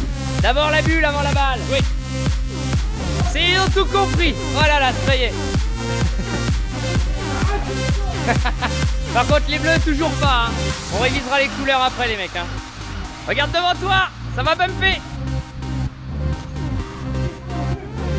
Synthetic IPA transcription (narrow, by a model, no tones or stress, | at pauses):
d̪abɔʁlabylavɑ̃lamalwi | seɔ̃t̪ukɔ̃pχi | vwalalassaje | paʁkɔ̃t̪χlebløt̪uʒuʁpaɛ̃ɔ̃ʁevizʁalekulœʁapχɛlemɛkɛ̃ | ʁəɡaʁd̪ːəvɑ̃t̪wasavapɛmfɛ